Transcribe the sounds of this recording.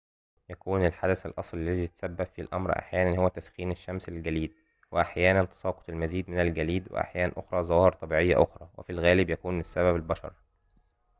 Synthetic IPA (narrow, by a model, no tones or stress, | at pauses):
jækuːnelħad̪æθælʔɑsˤllːæziːt̪sæbːæbfilʔæ̰mɾʔa̰ħjæːnænhowːæt̪æsxiːneʃːæmselɡæliːd̪̚ | weʔaħjæːnænt̪ɑ̥sˤɑːqot̪ˤelmæziːd̪mɪnælɡæliːd̪wḛʔa̰ħjæːnænʔoxɾˤɑːzˤɑwɑːhɾˤt̪ˤɑbiːʕejːæ̰ʔoxɾˤɑ̰wḛfilɣæːlɪbjækuːnesːæβæbælbɑʃɑ̰ɾˤ